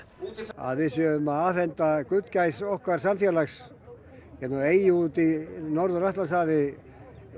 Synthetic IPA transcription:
a̰ðvɪsjœʏmaaːfɛnt̪akʏt̪cajsɔhkvaɾ̥samfjɛːlaks | hɛt̪naeːjɪut̪ɪnɔɾðʏraht̪lasaːvɪ

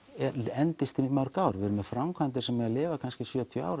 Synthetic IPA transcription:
ɛɾɛnt̪ɪst̪ɪnɪmaɾkaːwɾvɪɾʏmɛ̥fɾamkʰajnt̪̬ɪ̥sɛmːɛɣalɪːvakʰanscɪsjœːt̪ʰjɔa̰ːwɾ

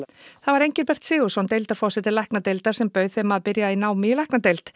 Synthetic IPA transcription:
θavaɾejɲcɪɾpɛr̥t̪sɪːɣʏsɔwnt̪ejlt̪aɾ̥fɔrsɛt̪ɪlɛhknat̪ejlt̪aɾ̥sɛmpœɥðθejmaðpɪɾjainaːwmɪilɛhknat̪ejlt̪

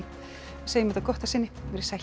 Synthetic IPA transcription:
aseːjɪmɛt̪akɔht̪asɪnːɪvɛɾ̥sa

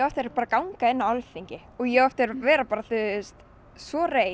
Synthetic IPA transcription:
œft̪ɛɾpaːɾakawŋkaɪnːaalθiɲcɪ | ɔɣjɛɣœft̪ɛɾvɛːɾapaːɾaθʏðst̪ | svɔreː

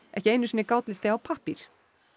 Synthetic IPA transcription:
ɛhcɪeːjnʏsinɪkawt̪lɪst̪eawpʰahpiɾ̥

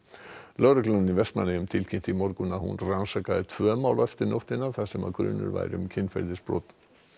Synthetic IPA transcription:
lœɣɾʏklannivɛst̪ma̰nːɪʏmt̪ʰɪlcʰɪm̥t̪imɔɾkʏnahṵnransakaðɪt̪ʰvœːmaːwlɛft̪ɪɾnowht̪ɪnːaθasɛma̰kɾʏ̰ːnːʏ̰ɾva̰jɾɪʏmcʰɪnːfɛ̰ɾðɪsp̪o̰wt̪

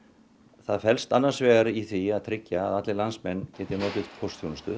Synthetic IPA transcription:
θaðfɛlst̪anːaɾsvɛːɣaɾiθiaðt̪ʰɾɪcːa̰ːðat̪lɪlansmɛnːcɛːt̪ɪɾnɔːt̪ɪðpʰɔwst̪θjownast̪ʏ̰ð

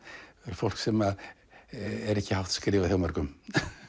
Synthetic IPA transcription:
ɛɾ̥fɔl̥ksɛma | ɛɾɛhcːɪhawht̪skɾɪːvaθjawmaɾkʏm

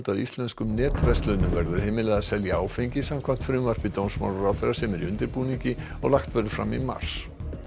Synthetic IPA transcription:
t̪aðist̪lɛnskʏmnɛːt̪vɛst̪lʏnʏmvɛɾðʏɾ̥heːmɪlɛɣðasɛljaaːwfejɲcɪsamkʰvam̥t̪fɾʏmvar̥pɪt̪ownsma̰waɾawθɛrːasɛmɛɾiʏnt̪ɪɾpuːniɲcɪ | ɔɣlaxt̪vɛɾðʏɾfɾa̰mːḭma̰r̥s

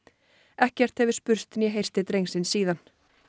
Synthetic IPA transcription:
ɛhcɛr̥t̪hɛvɪspʏɾ̥st̪ɛnjɛɦejr̥st̪ɪt̪ɾejŋsɪnsiːðan

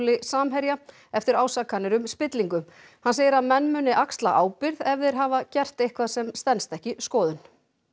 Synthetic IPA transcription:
lɪsaːmɦɛɾja | ɛft̪ɪɾaːwsaːkːanːɪɾʏmspɪt̪liŋkʏ | hanseːjɪɾaðmɛnːmʏnɪʔakst̪laʔaːwpɪɾðɛvðɪɾ̥ɦaːvacɛr̥t̪ejhkʰvaðsɛmst̪ɛnst̪ɛhcɪskɔːðʏn

